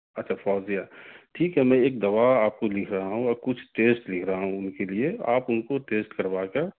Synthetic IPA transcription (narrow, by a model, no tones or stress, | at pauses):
ɐtːʃʰafɔːzijaʈʰiːkɦɛmɛ̃eːk̚d̪ɐʋaaːp̚kolɪkʰɾɐɦaɦũɔkʊt͡ʃʰʈeːsʈlɪkʰɾaɦaɦũʊnkeliea̰ːpʊnkoʈeːsʈkɐɾbaːke